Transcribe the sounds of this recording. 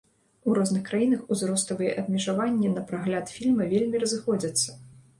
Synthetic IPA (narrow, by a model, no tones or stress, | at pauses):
uɾɔznɨxkɾajinɐxuzɾɔst̪ɐvɨjɛʔɐbmʲɛʐavanʲːɛnɐpɾaɣlʲat̪fʲilʲmɐvʲelʲmʲirɐzɨxɔd͡zʲɐt̪sːɐ